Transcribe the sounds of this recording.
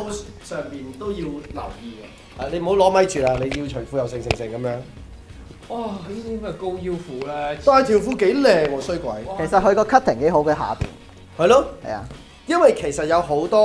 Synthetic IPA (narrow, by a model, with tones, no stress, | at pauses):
sœː˨ŋpiː˨nt̪o˥wjiː˧wlɐ̰˨˩wjiː˨a˧ | ha˨le˨˧jm̩˨˩ho˨˥wlɔː˨˥mɐ˨˥jt͡ʃyː˨˩laː˧le˨˧ji˧wt͡ʃʰɵ˨˩fu˨˥jɐ˨˧wsɪ˧ŋsɪ˧ŋsɪ˨˩ŋkɐ˨˦mjœː˨˥ŋ | ʔaː˧˩liː˥t̪iː˥˨mɛ˧ko˥wji˥wfuː˨˥lɛː˦ɔː˨ɐ˨˧t̪ʰiː˨˩wfuː˨˥ke˨˥jlɛː˨ŋɔː˨˧sɵ˥ɥkʷɐ̰˨˥jʰe˨˩sɐ˨t̚hɵ˧kɔː˧kʰɐ˥t̪̚ʰɪ˨˩ŋke˨˥jɦo˨˥wkɐ˨˧ɦa̰ː˨pḭː˨˩n | hɐ˨jlɔː˦˥hɐ̰˨ja̰ː˧ | jɐ˥nwɐ˨jkʰe˨˩jsɐ˨t̚jɐ˨˧wɦo˨˥wt̪ɔː˥